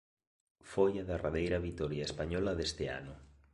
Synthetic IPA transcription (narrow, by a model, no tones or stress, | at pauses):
fojaðaraðejɾaβit̪ɔɾjaespaɲɔlaðest̪ea̰nʊ